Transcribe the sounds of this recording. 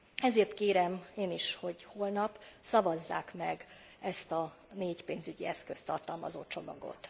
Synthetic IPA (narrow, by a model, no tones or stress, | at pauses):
ɛzeːrt̪keːɾɛmeːniʃho̞ɟho̞lnɒpsɒvɒzːa̰ːkmɛɡ | ɛst̪ɒ | neːɟpeːnzyɟḭɛskø̞st̪ːɒrt̪ɒlmɒ̰zoːt͡ʃo̞mɒ̰ɡo̰t̪